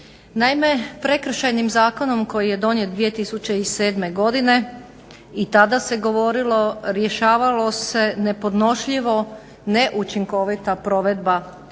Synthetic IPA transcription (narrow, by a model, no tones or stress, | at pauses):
naime̞pɾe̞kr̩ʃajnimzaːko̞no̞mko̞jije̞d̪o̞njet̪̚d̪ʋije̞t̪isut͡ɕeise̞ːd̪me̞ɡo̞d̪ine̞ | it̪ad̪ase̞ɡo̞ʋo̞ɾilo̞ɾjeʃaːʋalo̞se̞ne̞po̞d̪no̞ʃʎiʋo̞ | ne̞ʔut͡ʃiŋko̞ʋit̪apɾo̞ʋe̞d̪ba